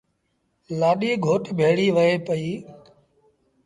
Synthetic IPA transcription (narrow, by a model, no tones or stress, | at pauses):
laːɗiːɡʱoːʈbʱeːɽiːʋəeːpəiː